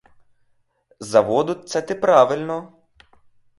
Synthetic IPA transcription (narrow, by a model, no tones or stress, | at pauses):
zɐʋɔd̪ʊt̪sɛt̪ɪpɾaʋɪlʲnɔ